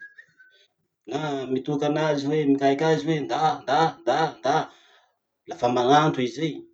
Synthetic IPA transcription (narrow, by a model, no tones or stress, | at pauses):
namit̪ukanaziwemikajkʲaziwend̪and̪and̪and̪a | lafamanant̪uizej